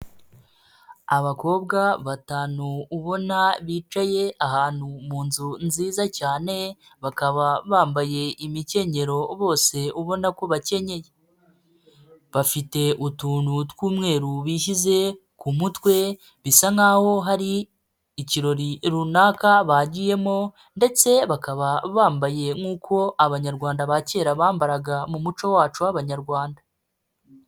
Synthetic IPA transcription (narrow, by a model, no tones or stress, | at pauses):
aβako̞ːbɡaβataːnuːβo̞naβiːt͡ʃaje̞aɦaːn̥humuːnzunziːzacaːne̞βakaβaβaːmbaje̞imice̞ɲe̞ɾo̞βo̞ːse̞uβo̞nako̞βace̞ɲe̞je | βafite̞ʔutuːnutwuːmŋe̞ːɾuβiːʃize̞ | kumutwe̞ | βisaŋaːho̞ɦaɾiː | ciɾo̞ɾiɾunaːkaβaɟije̞mo̞ | nde̞t͡se̞βakaβaβaːmbaje̞ŋuːkʰo̞aβaɲaɾɡwaːndaβace̞ːɾaβaːmbaɾaɡamumut͡ʃo̞waːt͡ʃuwaβaɲaɾɡwaːnda